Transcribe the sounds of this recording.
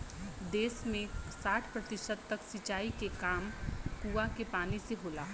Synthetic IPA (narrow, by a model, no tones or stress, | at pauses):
d̪eːsmẽsaːʈʰpɾɐt̪ɪʃəd̪̚t̪ɐksɪt͡ʃaːikekaːmkuːakepaːniseɦoːlaː